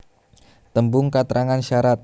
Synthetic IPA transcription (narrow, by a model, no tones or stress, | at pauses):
t̪əmbʊŋkat̪ɾʔaŋanʃaɾat̪̚